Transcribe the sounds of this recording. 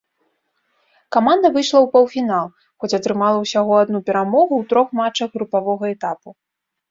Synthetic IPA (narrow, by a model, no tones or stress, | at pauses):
kamand̪ɐvɨjʂlˠɐwpɐwfʲinalˠ | xɔt͡sʲɐt̪ɾɨmalˠɐwsʲaɣɔad̪nupʲɛɾamɔɣuwt̪ɾɔxmat͡ʂɐɣɣɾupavɔɣɐɛt̪apu